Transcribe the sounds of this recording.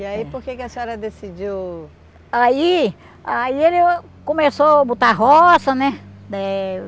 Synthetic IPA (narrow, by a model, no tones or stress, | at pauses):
iaipoɾkekɪɐsiɔɾɐd̪esid͡ʒiw | ai | aielɪ | kõmesobut̪aɦɔsɐnɛd̪ɛ